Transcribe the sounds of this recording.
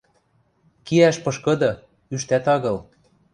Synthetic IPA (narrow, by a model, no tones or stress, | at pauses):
kiæʃpɤ̆ʃkɤ̆d̪ɤ̆ | yʃt̪æt̪ɑɣɤ̆l